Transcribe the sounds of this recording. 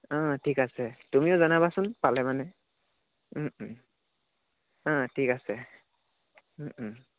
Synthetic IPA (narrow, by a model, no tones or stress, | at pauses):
ãtʰikasɛtumiʊzanabasʊnpalɛmanɛ | m̩ | ãtʰikasɛ | m̩